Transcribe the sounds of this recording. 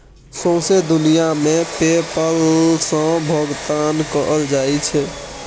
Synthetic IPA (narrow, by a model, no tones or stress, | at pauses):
sõsed̪unijamepepəlsə̃bʱəɡt̪ankəʔəld͡ʒajt͡ʃʰɛ